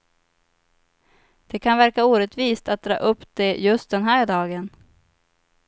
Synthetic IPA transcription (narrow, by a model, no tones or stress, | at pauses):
d̪̥ɛkʰanvæɾkauːɾɛt̪viːst̪at̪̚d̪ɾɑ̰ːʔɵpːd̪̥ɛjɵst̪̚d̪ɛnɦæːɖɑːɡən